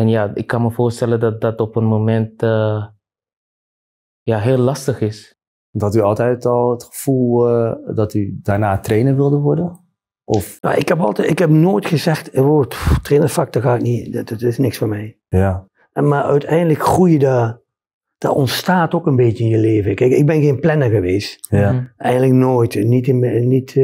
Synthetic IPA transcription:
ɛnjaːɪkːɑnməvoːrstɛlədɑt̚dɑtɔpənmomɛntə | jaɦeːlːɑstəχɪs | ɔthɑtyɑlˠtɛjtɔlˠətχə̥fulˠdɑtydaːɹnaːtreːnəɹʋɪlˠdəʋɔɹdən | ʔɔfna̰ʔɪkhɛpɑ̰lˠtɛɪkhɛpnoːjtxəzɛxtəʋottreːnəfak̚təɣaːɪk̚nidtɪsnɪksfomɛj | ja | maœ̰ɥtʰɛjndələkxrujəda | d̥a̰ʔɔntstaːtokənbeːtjəɪnjəleːvəkɛkɪ̰ɡ̚bɛnxeːnplɛnəɣəʋeːstaɛjɣəndləknoːjtnitɪnit

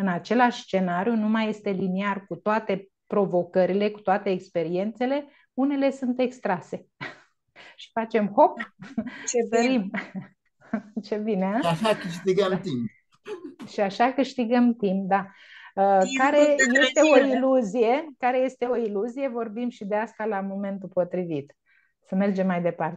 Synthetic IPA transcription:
ɨnat͡ʃe̞laʃʲst͡ʃe̞naɾijunumaje̞st̪e̞linearkut̪oat̪e̞ | pɾo̞vo̞kəɾile̞ku̥t̪oat̪e̞ːkspe̞ɾie̞nt̪se̞le̞ | une̞le̞sunt̪e̞kst̪ɾase̞ | ʃi̥fat͡ʃe̞mho̞pt͡ʃedəɾim | t͡ʃe̞bineaʃakɨʃt̪iɡəmt̪imp̚ | ʃiaʃakɨʃt̪iɡəmt̪imp̚d̪a | əkaɾeje̞st̪e̞oiluzije̞kaɾe̞je̞st̪e̞o̞iluzije̞vo̞rbimʃid̪e̞ast̪alamo̞me̞nt̪upo̞t̪ɾivit̪ | səme̞rd͡ʒe̞mːajd̪e̞part̪e

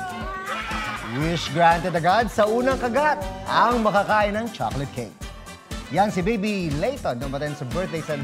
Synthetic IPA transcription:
wɪʃɡɹant̪ɛd̪ɐɡad̪̚sɐʔuːnɐŋkɐɡat̪̚ʔɐŋmɐkakaːʔɪnɐŋt͡ʃa̰klɛt̪̚kʰejt | jansɪbejbilejt̪onːɐmpɐt̪ɛnsɐbɛɹt̪̚d̪ejsɐ

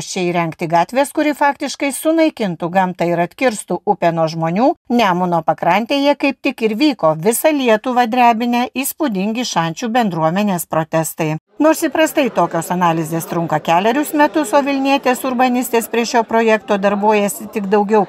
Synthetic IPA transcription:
t͡ʃʲɛiːɾʲɛŋkt̪ʲɪɡɑːt̪ʲʋʲeːskʊɾʲɪfɑːkt̪ʲɪʃkɐɪsʊnɐɪkʲɪnt̪ʊɡɐmt̪ɐɪɾɐt̪ʲkʲɪɾst̪uʊpʲɛnoːʒmoːnʲuːnʲæːmʊnoːpɐkɾɐnʲt̪ʲeːjɛkɐɪp̚t̪ʲɪkɪɾʋʲiːkoːʋʲɪsɐlʲiɛt̪ʊʋɐd̪ʲɾʲæːbʲɪnʲɛʔiːspʊd̪ʲɪŋʲɡʲɪʃɑnʲt͡ʃʲuːbʲɛnd̪ɾuɔmʲɛnʲeːspɾoːt̪ʲɛst̪ɐɪ | noːɾsiːpɾɐst̪ɐɪt̪oːkʲoːsɐnɑːlʲɪzʲeːst̪ɾʊŋkɐkʲæːlʲɛɾʲʊsmʲɛt̪ʊsoːʋʲɪlʲnʲiɛt̪ʲeːsʊɾbɐnʲɪst̪ʲeːspʲɾʲiɛʃʲoːpɾoːjɛkt̪oːd̪ɐɾboːjɛsʲɪt̪ʲɪɡd̪ɐʊɡʲɛʊ

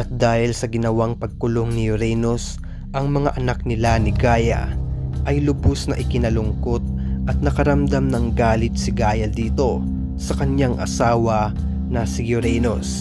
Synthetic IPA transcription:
ʔɐt̪̚d̪aːhɪlsɐɡɪnɐwaŋpɐɡ̚kʊloŋnɪjʊɾɛnos | ʔɐŋmɐŋa̰ʔɐnak̚nɪlanɪɡaːjɐ̰ʔɐjlʊbosnɐʔɪkɪnɐlʊŋko̞t̪̚ʔɐt̪̚nɐkɐɾɐmd̪amnɐŋɡaːlɪt̪̚sɪɡaːjɐd̪iːt̪o̞ | sɐkɐɲjaŋʔɐ̰saːwɐ | nɐsɪjʊɾɛnos

